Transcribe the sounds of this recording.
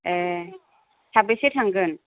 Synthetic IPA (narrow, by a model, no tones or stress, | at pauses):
e | tʰabɯsetʰaŋɡɯn